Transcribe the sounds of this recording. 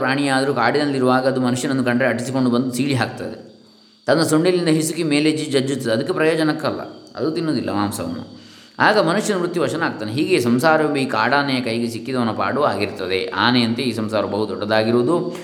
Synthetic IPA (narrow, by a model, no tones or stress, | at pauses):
pɾaːɳijaːd̪ɐɾukaːɽid̪ɐnliɾuʋaːɡɐːd̪umɐnuʂjɐnɐnd̪ukɐɳɖɾeɐʈisiko̞ɳɖubɐnd̪usiːɭiɦaːk̚t̪ɐ̰d̪ḛ | t̪ɐnːɐsoɳɖilind̪ɐɦisukemeːled͡ʒid͡ʒɐd͡ʒːut̪ːɐd̪ɐd̪ɐkːepɾɐjoːd͡ʒɐnɐkːɐlːɐ̰ɐ̰d̪ut̪inːoːd̪ilːʔɐ̰maːmsɐ̰ʋɐ̰nːṵ | aːɡɐmɐnuʂjɐnɐmɾut̪ːjiʋɐʃɐnaːɡ̚t̪aːneɦiːɡesɐmsaːɾɐʋɐmbɐiːkaːɽaːnɐjɐkɐjɡesikːid̪ɐʋɐnːɐpa̰ːɽuaːɡiɾt̪ɐd̪eʔa̰ːneɐnt̪eiːsɐmsaːɾɐbɐɦut̪ɔɖːɐd̪aːɡiɾoːd̪u